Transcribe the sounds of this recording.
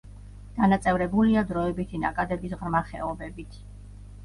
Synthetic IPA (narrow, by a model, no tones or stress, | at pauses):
d̪̥anat̪sʼɛvɾɛbuliad̪ɾɔɛbit̪ʰina̰kʼad̪ɛbisʁɾmaχɛ̰ɔbɛbit̪ʰ